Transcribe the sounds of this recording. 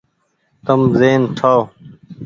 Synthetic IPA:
t̪əmzeːnʈʰaː

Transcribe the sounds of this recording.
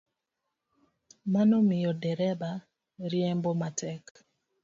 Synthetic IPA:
manomɪjɔdɛɾɛba | ɾjɛmbomatʰɛk

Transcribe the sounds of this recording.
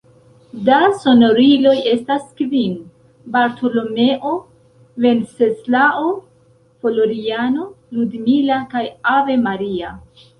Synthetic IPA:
daso̞no̞ɾilo̞je̞staskvin | baɾtʰo̞lo̞me̞ʔo̞ | ve̞nseslao | fo̞loɾiano̞ | ludmilakajave̞maɾia

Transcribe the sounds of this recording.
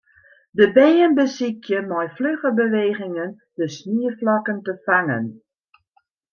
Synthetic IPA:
dəbeːənbəsikʰjəmɔjfløɣəbəʋeːɣɪŋən | dəsniəflɔkəntəfaŋə̰n

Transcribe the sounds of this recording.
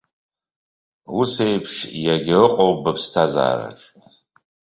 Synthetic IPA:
usejpʰʂjaɡʲɪrɨqʼowbɨpʰstʰaza̰ːɾa̰ʈ͡ʂʼ

